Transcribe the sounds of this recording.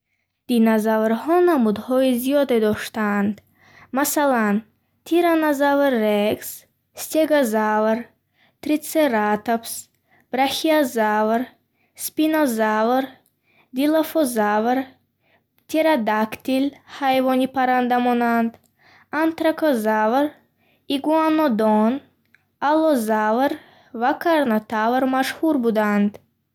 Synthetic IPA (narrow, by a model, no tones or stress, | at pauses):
d̪̥inazavɾhɔnamud̪hɔizijɔd̪ed̪ɔʃt̪and̪ | masalan | t̪ʰiɾanazavɾːeɡs | st̪eɡazavɾ | t̪ɾit̪seɾat̪ops | b̥ɾaxiazavɾ | spinɔzavɾ | d̪ilafɔzavɾ | t̪ʰeɾad̪akt̪ilhajvɔnipʰaɾand̪amɔnand̪ | ant̪ɾakʰɔzavɾ | iɡuanːod̪on | alɔzavɾ | vakʰaɾnat̪ʰavɾmaʃhuɾbud̪and̪